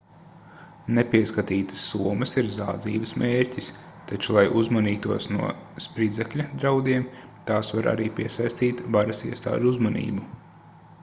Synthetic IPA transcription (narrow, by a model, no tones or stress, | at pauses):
nepʲiɛskat̪iːt̪ə̥sːuːɔmɐsiɾzaːd̪ziːvəsmʔeːɾʲcis | t̪at͡ʃulˠajʔuzmaniːt̪uɔsnuɔspɾid̪zɛkʎʲɐd̪ɾawd̪iɛmt̪aːsvaɾʔa̰ɾiːpʲiɛsajst̪iːt̪vaɾɐsiɛst̪a̰ːʒuzmɐnḭːbu